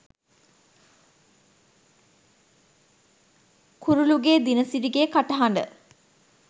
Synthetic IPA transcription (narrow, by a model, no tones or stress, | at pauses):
kuɾuluɡeːd̪inəsiɾiɡekaʈɐɦaɳɖə̰